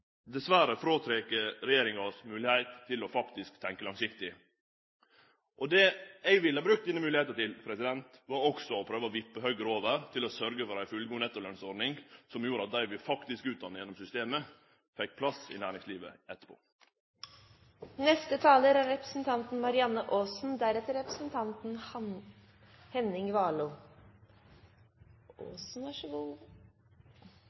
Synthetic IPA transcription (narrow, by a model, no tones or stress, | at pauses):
d̪ɛsʋæɾəfɾoːt̪ʰɾekəɾɾɛjeːɾɪŋɑsmʉːlɪhæɪt̪ʰːɪlɔfɑkt̪ɪskt̪ʰɛŋkəlɑŋsɪkt̪ɪ | ʔɔd̪ɛːɛɡʋɪlːəɑbɾʉkt̪ɪnəmʉːlɪheːt̪ət̪ɪlpʰɾɛsɪd̪ɛnt̪ʋɑɾɔksɔɔpʰɾøːʋəɔʋɪpːəhœɡəɾoːʋəɾt̪ʰɪlɔsœɾɡəfɔɾæɪfʉlɡuːnɛt̪ːɔlœnsɔɾɖ̪nɪŋsɔmjuːɾəɑt̪̚d̪æɪʋɪlfɑkt̪ɪskʉːt̪d̪ɑnːəjɛnːɔmsʏst̪eːmə | fɛk̚ːpʰlɑsɪ̰næːɾɪŋsliːʋə̰ɛt̪ːə̥pʰo̰ː | nɛst̪ət̪ʰɑːləɾæɾɾɛpɾə̥sn̩t̪ʰɑnt̪n̩mɑɾɪɑnːəʔoːsn̩d̪æɾɛt̪ːəɾɾɛpɾəsn̩t̪ʰɑnt̪n̩ | hɛnɪŋʋɑːluː | oːsn̩æʃəʋ